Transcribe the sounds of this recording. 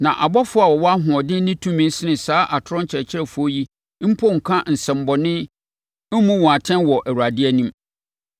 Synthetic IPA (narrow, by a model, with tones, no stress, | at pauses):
nã˨ʔa˨bɔ˦fʊ˦a˨wɔ˨wɔ˦a˦ɦʊ̃˨ɔ˨dɪ̃˦nɪ̃˦tʰũ˦mĩ˨n˦sɪ˦nɪ̃˨saː˦ʔa˨tʰʊ˦ɾɔ̃˦ɲ˦t͡ɕʰɪ˨ɾɛ˨t͡ɕʰɪ˦ɾɛ˨fʊ˦o˦ji˦ | m̩˦pʰɔ˦˨ŋ̩˨kʰã˦n̩˨sɛ̃˨m̩˦bɔ˨nɪ̃˦ | m̩˦mũ˦wɔ̃˨a˨tʰɛ̃˦nwɔ˨ʔæ˨wu˨ɾa˨dɪ˦ɛ˦nũ˦m